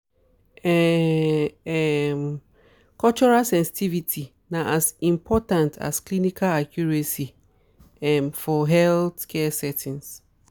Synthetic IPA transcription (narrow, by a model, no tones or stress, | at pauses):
ɛ | ɛm | kɔlt͡ʃɔɹalsɛ̃nsi̥tʰivitʰi | naʔasĩmpʰɔtãntʰa̰sklinikʰalakʰjuɹɛsi | ɛmfɔɦɛltkʰɛsɛtʰĩns